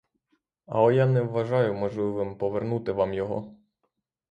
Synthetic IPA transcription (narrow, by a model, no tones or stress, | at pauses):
ɐ̰ɔjanɛʋːɐʒɑjʊmɔʒlˠɪʋɪmpɔʋernut̪ɪʋɑmjɔɦɔ̰